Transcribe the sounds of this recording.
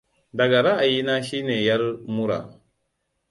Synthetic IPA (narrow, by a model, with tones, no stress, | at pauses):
da˨ɡa˨ɾa˦a˨ji˦na˦ʃi˦ne˨ja˦ɾmu˦ɾa̰˨